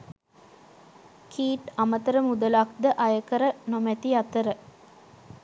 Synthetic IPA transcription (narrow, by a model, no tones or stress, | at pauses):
kʰiːʈamət̪əɾəmud̪əlakd̪əʔajəkəɾənomæt̪iat̪əɾə